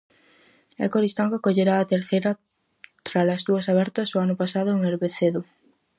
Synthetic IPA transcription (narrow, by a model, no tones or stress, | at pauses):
ḛkoɾist̪aŋɡokoʎeɾaːt̪eɾθejɾɐ | t̪ɾalɐzðuɐsaβɛɾt̪ɐsoanʊpasaðʊeŋeɾβeθeðʊ